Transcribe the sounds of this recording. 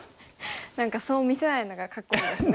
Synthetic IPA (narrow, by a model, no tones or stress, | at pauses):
nãŋkaso̞ːmʲise̞naino̞ɡakakːo̞iesɨ